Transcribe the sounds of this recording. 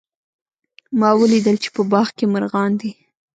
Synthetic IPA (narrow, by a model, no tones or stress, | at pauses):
mɑwəlid̪əlt͡ʃe̥pəbɑxkemaɾɣɑnd̪i